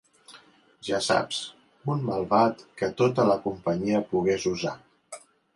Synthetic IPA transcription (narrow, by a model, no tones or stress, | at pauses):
ʒasa̰ps | unməlˠβat̪kət̪ot̪ələkumpəɲiəpuɣezuza